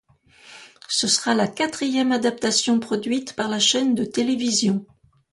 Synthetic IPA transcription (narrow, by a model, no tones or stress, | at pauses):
səsəʁalakʲat̪χijɛmad̪ap̚t̪asjɔ̃pχɔd̪ɥit̪paʁlaʃɛnd̪ət̪elevizjɔ̃